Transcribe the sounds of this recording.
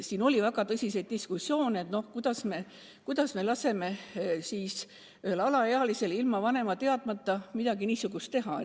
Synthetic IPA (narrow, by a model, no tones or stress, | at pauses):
siːno̞lʲivæɡ̥ɑt̪ɤsʲisejd̪̥̚d̪iskusːjo̞ːneet̪no̞hkujd̪̥ɑsme̞ | kujd̪̥ɑsme̞lɑse̞me̞siːs | yhelɑlɑeɑlise̞lilmɑvɑne̞mɑt̪e̞ɑd̪mɑt̪ːɑmid̪ɑɡiniːsuɡ̥ust̪e̞ɦɑḛ